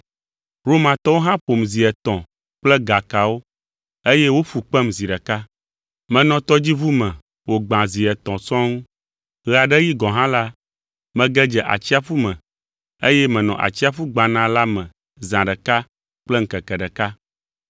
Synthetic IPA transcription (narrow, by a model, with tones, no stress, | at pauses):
ɾo˦mã˨t̪ɔ˦wo˦ɦã˦ɸo˨mzi˨ɛ˨t̪ɔ̃˨ | k͡plɛ˦ɡa˨ka˨wo˦ | e˦jɛ˦wo˦fu˨k͡pɛ˦mzi˨ɖɛ˨ka˦ | mɛ̃˨nɔ̃˨t̪ɔ˦d͡ʑi˦vu˦mɛ̃˨ | wo˨ɡ͡bã˨zi˨ɛ˨t̪ɔ̃˨sɔ̃˦ŋũ˦ | ɣɛ˨a˨ɖɛ˦ji˦ɡɔ̃˨ɦã˦la˦ | mɛ̃˨ɡɛ˦d͡ʒɛ˨ʔa̰˨t͡ɕi˦a˦fu˦mɛ̃˨ | e˦jɛ˦mɛ̃˨nɔ̃˨ʔa̰˨t͡ɕi˦a˦fu˦ɡ͡bã˨nã˦la˦mɛ̃˨ | zã˨ɖɛ˨ka˦ | k͡plɛ˦ŋ̩˨kɛ˨kɛ˨ɖɛ˨ka˦